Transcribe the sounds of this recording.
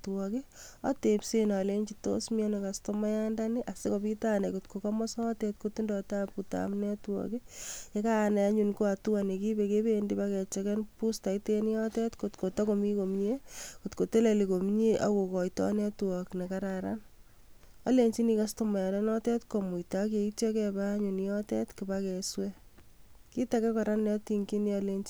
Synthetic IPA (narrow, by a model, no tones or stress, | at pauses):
twɔkea̰tepsenaleɲt͡ʃito̰smiɛnekastomajandaniʔasekopitanekotkokɔmɔsɔːtɛt̚kotindɔtaputa̰mnɛtuɔ̰kejekanaaɲunkoatuanekibekebendipakɛt͡ʃɛkɛnpustaitenjɔtɛtkotkotɔkomikomiɲekotkotelelikomiɲeʔa̰kokɔjtɔ̰nɛtuɔknekaɾaɾa̰n | aleɲt͡ʃinikastomɛlɛnɔtɛtkomujtakektjɔkɛbaɲunjɔtɛtkɪbakɛswɛ | kitakɛkɔɾanːɔtiŋkiniɔleɲt͡ʃi